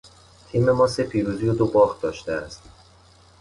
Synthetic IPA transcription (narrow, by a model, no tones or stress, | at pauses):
t̪ʰiːme̞mɒːse̞pʰiːɾuːzijod̪obɒːχd̪ɒːʃt̪eæst̪